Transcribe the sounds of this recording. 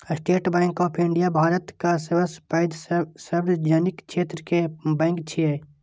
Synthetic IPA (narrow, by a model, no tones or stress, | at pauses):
sʈeːʈbɛ̃ːŋkɔːpʰɪ̃ɳɖijabʱaːɾət̪kasʋəspaːɪd̪sɐbɾd͡ʒaːnɪkʃʰeːt̪ɾəkebɛ̃ːŋkt͡ʃʰie